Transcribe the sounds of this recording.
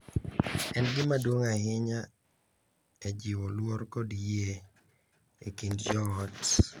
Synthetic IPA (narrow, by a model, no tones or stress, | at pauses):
ɛnɡɪmadwoŋahɪɲa | ɛd͡ʒɪwɔlwɔɾkɔdje | ekindd͡ʒɔɔt